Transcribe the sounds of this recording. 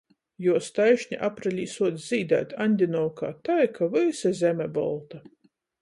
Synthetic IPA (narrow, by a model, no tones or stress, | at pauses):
juɔst̪ajʃɲʲiʔapɾalʲiːsuɔd̪szʲiːd̪æ̰ːt̪ʲanʲd̪ʲinɔwka̰ːt̪ajkʰavɨjsʲɛzʲɛmʲɛbɔ̰lˠt̪a